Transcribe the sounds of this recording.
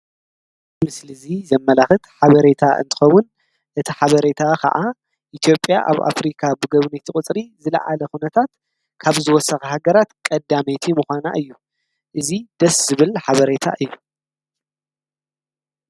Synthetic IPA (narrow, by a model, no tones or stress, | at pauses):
mɨslɨzizɐmːɐlaxɨt̪ħaβɐɾe̞t̪ʰaʔɨ̰nt̪ʰɨ̥xɐwːʊn | ʔɨt̪ʰiħaβɐɾe̞t̪ʰakʰɐ̰ʕa | ʔit̪ʰjo̞pʼja̰ʔa̰βa̰fɾikʰabɨɡɐβnit̪ʰɨkʼɨt͡sʼɾizɨlɐ̰ʕalɐxunɐt̪ʰat̪ | kʰaβzɨwɔsːɐxɐhaɡɐɾat̪kʼɐd̪amet̪ʰimuxʷana̰ʔɨjːu | ʔɨzid̪ɐszɨβɨlħaβɐɾe̞t̪ʰa̰ʔɨjːu